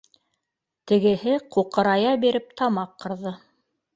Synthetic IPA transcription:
t̪ɘ̆ɡɘ̆hɘquqɤ̆ɾɑjɑbiɾɘp̚t̪ʰɑmɑqːɤ̆ɾðɤ

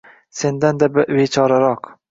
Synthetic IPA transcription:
se̞nd̪and̪abɪvet͡ʃʰɒɾaɾɒq

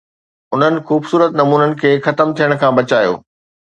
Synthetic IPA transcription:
ʊn̤ənɪ̆xuːbsuːɾət̪nɐmuːnənɪ̆kʰeːxɐt̪əmt̪ʰijəɽ̃kʰãːbɐt͡ɕaːjo̰ː

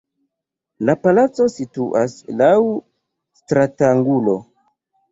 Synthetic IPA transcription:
lapalat͡so̞situʔaslaw | stɾataŋɡulo̞

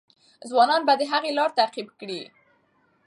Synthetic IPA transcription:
zwɑnɑnbad̪əɦaɣelɑɾt̪aqibkɽi

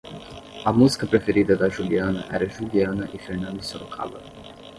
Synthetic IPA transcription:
amuzi̥kəpɾefeɾit̪əd̪aʒulianə̰ʔɛ̰ɾaʒulianəʔifɛɾnand̪isolokʰa̰lə̰

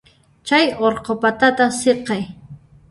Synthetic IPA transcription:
t͡ʃajoɾqopat̪at̪aχseqɑj

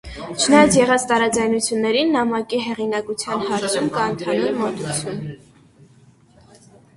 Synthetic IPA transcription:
t͡ʃʰənɑjɑt͡sʰjɛʁɑt͡sʰt̪ɑɾɑd͡zɑjnut͡sʰjunːɛɾinːɑmɑkiɦɛʁinɑkut͡sʰjɑnhɑɾt͡sʰumkɑənt̪ʰɑnummɔt̪ut͡sʰjun

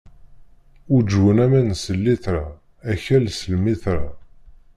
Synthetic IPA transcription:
ud͡ʒwənæmænsəlːiθɾa | æçælsəlmiθɾa

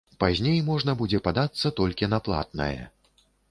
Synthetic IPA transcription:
pazʲnʲejmɔʐnɐbud͡zʲɛpad̪at̪sːɐt̪ɔlʲkʲinɐplˠa̰t̪̚nɐ̰jɛ̰

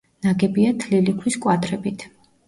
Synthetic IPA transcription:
naɡɛbiat̪ʰlilikʰliskʼwad̪ɾɛbit̪ʰ

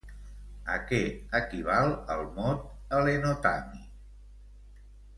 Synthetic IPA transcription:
ə̰kɛəkiβ̞aləlˠmɔt̪̚ | əlenot̪ami

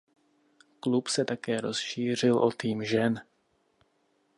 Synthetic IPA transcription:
klupsɛt̪akɛːɾo̞sʃiːr̝ɪlʔo̞t̪iːmʒɛn

